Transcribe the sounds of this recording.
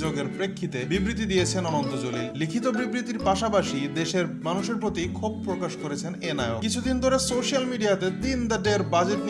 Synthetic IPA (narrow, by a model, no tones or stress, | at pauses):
d͡ʑoɡeɾpɾekʰːit̪ebibɾit̪̬id̪ijet͡ɕʰenɔnond̪od͡ʑolillikʰit̪obibɾit̪iɾpaʃapaʃid̪eʃeɾmanuʃeɾpɾot̪ikʰob̚pɾokaʃkoɾet͡ɕʰenenaeokit͡ɕʰud̪int̪oɾesoʃialmiɖiat̪ed̪ind̪aɖeɾbad͡ʑeʈn